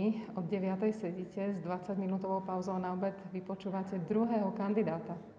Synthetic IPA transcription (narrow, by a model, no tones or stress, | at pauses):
iɔd̪ɟɛʋɪat̪ɛjsɛɟicɛzd̪ʋat͡saɟminuːt̪ɔʋɔʊpaʊzɔʊnaɔbɛd̪ʋipɔt͡ʃuːʋacɛd̪ɾuɦɛːɦɔkand̪id̪aːt̪a